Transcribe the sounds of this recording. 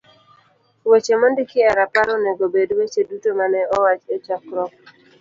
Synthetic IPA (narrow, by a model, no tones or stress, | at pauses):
wet͡ʃemɔndɪkɪaɾapaɾɔnɛɡobedwet͡ʃedutomanɛɔwat͡ʃet͡ʃakɾɔk̚